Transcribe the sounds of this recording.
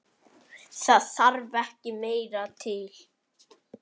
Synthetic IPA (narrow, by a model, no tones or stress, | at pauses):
θaðθaɾvɛhcɪmeːjɾat̪ʰɪl